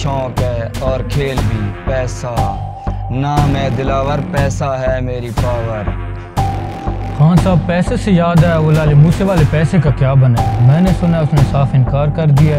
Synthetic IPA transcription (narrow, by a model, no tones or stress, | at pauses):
t͡ʃɔ̃ːkɦɛːɔːɾkʰeːlbʱiːpɛːsa | namɛ̃ːd̪ɪlaːʋəɾpɛːsaɦɛmeːɾipaːʋəɾ | xaːnsaːb̚pɛːsesejaːd̪aeoːlaːlemuːseʋaːlepɛːsekakjaːbɐnaːmɛ̃ːnesʊnaʊsnesaːfʰɪnkaːɾkɐɾd̪ɪija